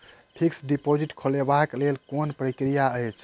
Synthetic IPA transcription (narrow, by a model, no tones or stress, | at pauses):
pʰiksɖipod͡ʒiʈkʰolebaklelkonpɾəkɾijaəjt͡ʃʰ